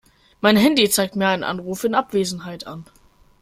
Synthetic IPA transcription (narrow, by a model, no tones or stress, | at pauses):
maɪnɦɛndit͡saɪk̚tmiːɐaɪnənʔa̰nʁuːfɪnʔapv̥eːzn̩ɦaɪtʰan